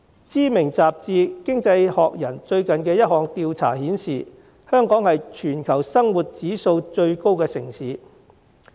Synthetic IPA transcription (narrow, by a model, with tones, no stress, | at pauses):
t͡siː˥mɪ˨˩ŋt͡saː˨p̚t͡siː˧kɪ˥ŋt͡sɐ˧jhɔː˨k̚jɐ˨˩nt͡ʃɵ˧ɥkɐ˨nkɛː˧jɐ˥t̚hɔː˨ŋt̪iː˧wt͡sʰa̰ː˨˩hiː˨˥nsiː˨ | hœː˥ŋkɔː˨˥ŋhɐ˨jt͡ʃʰyː˨˩nkʰɐ˨˩wsɐ˥ŋwuː˨˩t̚t͡siː˨˥so˧wt͡ʃɵ˧ɥko˥wkɛː˧sɪ˨˩ŋsiː˨˧˥